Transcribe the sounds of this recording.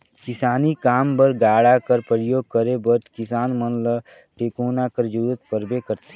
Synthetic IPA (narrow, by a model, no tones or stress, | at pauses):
kɪsaːnikaːmbəɾɡaːɽakəɾpɾəjoːɡ̚kəɾebəɾkɪsaːnmənlə | ʈeːkoːnakəɾd͡ʒuːɾət̪pəɾbekəɾt̪e̥